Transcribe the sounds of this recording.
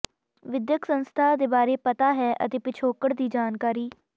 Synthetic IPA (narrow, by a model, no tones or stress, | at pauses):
ʋɪd̪jəksənst̪ʰaːd̪eːbaːɾeːpət̪aːɦɛːʔə̰t̪eːpɪt͡ʃʰoːkəɽd̪iːd͡ʒaːnkaːɾiː